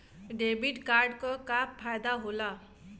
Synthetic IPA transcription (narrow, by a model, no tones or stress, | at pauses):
ɖebiʈkaɾɖkɔkappʰːajd̪aɦola